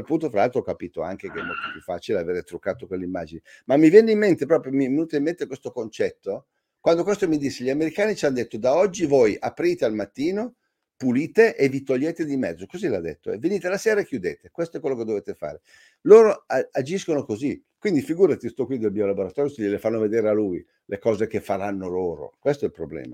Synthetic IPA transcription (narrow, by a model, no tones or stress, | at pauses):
alpunt̪ofɾalalt̪ɾɔɔkːapiːt̪oa̰ŋk̟ekeɛ̰mɔ̰t̪opjufːat͡ʃileaveːɾet̪ɾukːaːt̪okwelːeimːa̰d͡ʒinimamːivjɛnːeimːent̪epɾɔːpɾjomivenuːt̪eimːent̪ekwest̪okont͡ʃɛt̪ːo | kwand̪okwest̪omid̪isːeʎiameɾikaːnit͡ʃanod̪et̪ːod̪aɔd͡ʒːivojʔapɾiːt̪ealmat̪ːiːno | puliːt̪eʔevit̪oʎːeːt̪ed̪imɛ̰d̪zːokozila̰d̪ːḛt̪ːo̰ɛ̰vːeniːt̪elaseːɾaekjud̪eːt̪ekwest̪oɛkwelːoked̪oveːt̪efa̰ːɾe | loːɾoaad͡ʒiskonokozi | kwind̪ifiɡuːɾat̪ist̪ɔkːwid̪elmiolaboɾat̪ɔːɾjoseʎelefanːoved̪eːɾealuj | lekɔːzekefaɾanːoloːɾo̰kwest̪oɛlpɾoblɛ̰ːma